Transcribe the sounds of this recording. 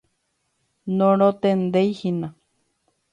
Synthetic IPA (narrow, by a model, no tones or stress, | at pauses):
nõɾot̪end̪ejhinã